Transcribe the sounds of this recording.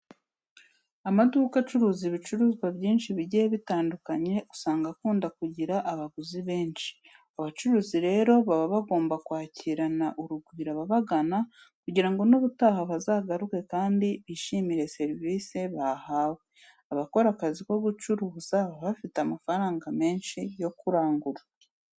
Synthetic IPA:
amaduːkat͡ʃuɾuːziβit͡ʃuɾuːzɡwabɟiːnʃiβiɟijeβitaːndukaɲe̞ɡu̥saːŋɡakuːndakuɟiɾaʔaβaɡuziβeːnʃi̥ | aβat͡ʃuɾuːziɾe̞ːɾo̞βaβaβaɡo̞ːmbakwaːciɾanaʔuɾuɡwiːɾaβaβaɡana | kuɟiɾaŋɡo̞noβutaːhaβazaɡaɾuke̞kaːndiβiʃimiɾe̞se̞ɾviːseβaːhaːwe | aβako̞ɾakaziko̞ɡut͡ʃuɾuzaβaβafiteamafaɾaːŋɡame̞ːnʃijo̞kuɾaːŋɡuɾa

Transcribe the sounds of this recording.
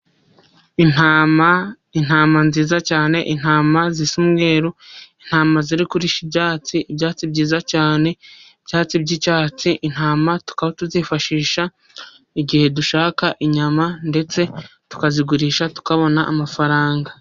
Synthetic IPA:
inama | in̥haːmanziːzacaːne̞ʔin̥haːmazisumɡe̞ːɾoin̥haːmaziɾikuɾiʃibjaːt͡siibjaːt͡sibɟiːzacaːne̞ibjaːt͡sibɟit͡ʃaːt͡siʔin̥haːmatu̥kaβotuzifaʃiːʃa | iɡihe̞duʃaːkaʔiɲamande̞t͡se̞tu̥kaziɡuɾiːʃatu̥kaβo̞naʔːmafaɾaːŋɡa

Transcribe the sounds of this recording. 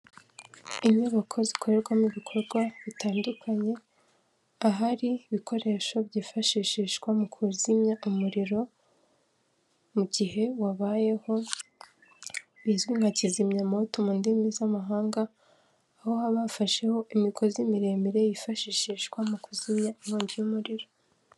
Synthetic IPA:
iɲɲuβakʰo̞zikʰo̞ɾe̞ɾɡwamiβikʰo̞ɾɡwaβitaːndukʰaɲe̞ | aɦaɾiːβikʰo̞ɾe̞ʃo̞βɟiːfaʃiːʃiʃkwamukʰuzimɲaʔumuɾiɾo̞ | muɟihe̞waβaje̞ho̞ | βizwiŋacizimɲamotomuːndimizamaɦaːŋɡaː | ho̞haβafaʃe̞ho̞ʔimikʰo̞zimiɾe̞ːmiɾe̞jifaʃiːʃiʃkwamukuzimɲauβuːɲɟijumuɾiɾo̞

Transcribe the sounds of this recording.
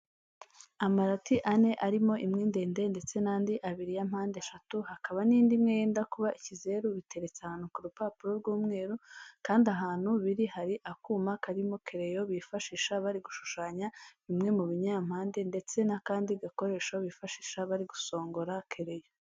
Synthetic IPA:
amaɾatiʔane̞ʔaɾimo̞ʔimŋeːnde̞ːnde̞nde̞t͡se̞naːndiʔaβiɾijam̥haːndeʃatuhakaβaniːndimŋe̞jeːndakuβaʔicize̞ɾuβite̞ɾe̞t͡sahaːn̥hukuɾupaːpuɾo̞ɾɡwuːmŋe̞ːɾukaːndaɦaːn̥huβiɾihaɾiʔakuːmakaɾimo̞ke̞ɾe̞jo̞βifaʃiːʃaβaɾiɡuʃu̥ʃaːɲaβimŋe̞muβiɲam̥haːnde̞nde̞t͡se̞nakaːndiɡako̞ɾe̞ːʃoβifaʃi̥ʃaβaɾiɡuso̞ːŋɡoɾakʰe̞ɾe̞jo

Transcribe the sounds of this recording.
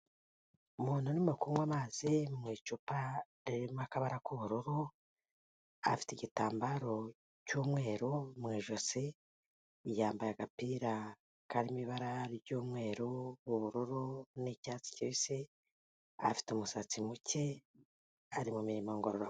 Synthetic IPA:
umuːn̥hunimukumɡwamaːziumŋiːt͡ʃupaɾiɾimakaβaɾakuβuɾuɾu | a̰fi̥tiɟitaːmbaɾo̞ | cuːmŋe̞ːɾomŋiːʒose | jaːmbajaɡapiːɾa | kaɾimiβaɾaɾiɾɟuːmŋe̞ːɾoβuβuɾuɾunicaːt͡si̥ciise | a̰fi̥teumusat͡simuce̞ | aɾimumiɾimaŋɡoɾoɾa

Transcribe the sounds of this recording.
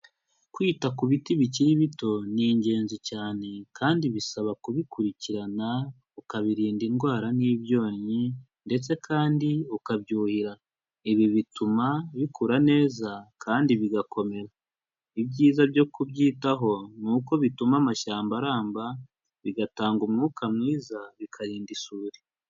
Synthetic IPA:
kwiːtakuβitiβiciɾiβito̞niːɲɟe̞ːnzicaːne̞kʰaːndiβisaβakuβikuɾiciɾana | ukaβiɾiːndinɡwaːɾaniːβjo̞ːɲɲi | nde̞t͡se̞kʰaːndiukabjuːhiɾa | iβiβitumaβikʰuɾane̞ːzakaːndiβiɡakʰo̞me̞ɾa | ibɟiːzabjo̞kubɟiːtaɦo̞nuːko̞βitumamaʃaːmbaɾaːmba | βiɡataːŋɡumŋuːkʰamŋiːzaβikʰaɾiːndisuːɾi̥

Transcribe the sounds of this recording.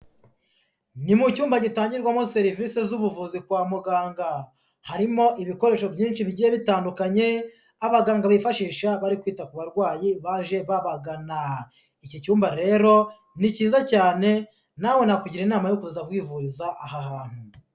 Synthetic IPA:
nimucuːmbaɟitaːɲɟiɾɡwamose̞ɾiviːse̞zuβuvuzikwaːmuɡaːŋɡa | haɾimo̞ʔiβiko̞ɾe̞ːʃo̞bjiːnʃiβiɟijeβitaːndukaɲe̞ | aβaɡaːŋɡaβifaʃiːʃaβaɾikwiːtakuβaɾɡwaːjiβaʒe̞βaβaɡana | icocuːmbaɾe̞ːɾo̞ | niciːzacaːne̞ | nawe̞nakuɟiɾinaːmajokuzaɡ̚ɡwiːvuɾizaʔaɦahaːn̥hu

